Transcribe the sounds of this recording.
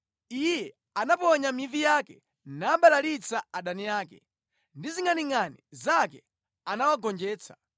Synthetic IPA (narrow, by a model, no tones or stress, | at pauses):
ijɛ | anapɔɲamivijakɛ | naːɓalalit͡saaɗanijaːkɛ̰ | ndiziŋaniŋanizakɛ | anawaɡɔnd͡ʒɛːt͡sʰḁ